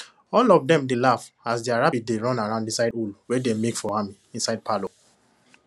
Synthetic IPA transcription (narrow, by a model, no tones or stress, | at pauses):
ɔlɔvdɛ̃mdelaf | asdiaɹabideɹɔ̃naɹãʊ̃ndĩsaɪdulwedemekfɔhamiĩnsaɪd̚pʰalo